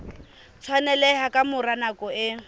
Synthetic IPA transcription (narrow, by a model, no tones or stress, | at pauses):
t͡sʰwanɛlɛhakʼamʊranakʼɔɪ